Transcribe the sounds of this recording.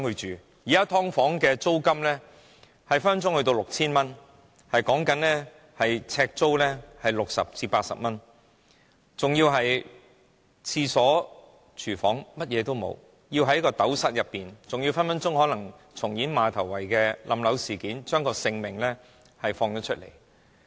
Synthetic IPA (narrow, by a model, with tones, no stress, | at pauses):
ŋhɵ˧t͡ʃyː˨ | jiː˨˩kaː˥t̪ʰɔː˥ŋfɔː˨˥ŋkɛː˧t͡so˥wkɐ˥mlɛː˥ | hɐ˨jfɐ˥nɐ˥nt͡sʊ˥ŋhɵ˧t̪o˧wlʊ˨k̚t͡sʰiː˥nmɐ˥n | hɐ˨jkɔː˨˥ŋkɐ˨˥nlɛ˥ | hɐ˨jt͡sʰɛː˧k̚t͡so˥wlɛː˥hɐ˨jlʊ˨k̚sɐ̰˨p̚t͡siː˧paː˧t̚sɐ̰˨p̚mɐ˥n | t͡sʊ˨ŋjiː˧wɦɐ˨j | t͡sʰiː˧sɔː˨˥ | t͡ʃʰyː˨˩fɔ̰ː˨˥ŋmɐ˥t̚jɛː˨˧t̪o˥wmo̰˨˧w | ji˧wɦɐ˨˥jkɔː˧t̪ɐ˨˥wsɐ˥t̚jɐ˨pːiː˨nt͡sʊ˨ŋji˧wfɐ˥nmɐ˥nt͡sʊ˥ŋhɔː˨˥lɐ˨˩ŋ | t͡sʰʊ˨˩ŋjiː˨˥nmaː˨˧t̪ʰɐ˨˩wːɐ˨˩jkɛː˧lʔɐ˨˧mlɐ˨˧wsiː˨˩kiː˨˥nt͡ʃœː˥ŋkɔː˧sɪ˧ŋmɪ˨˩ŋlɛː˥ | hɐ˨jfɔː˧ŋt̪ɔ˨˥tt͡ʃʰɵ˥t̚lḛ˨˩j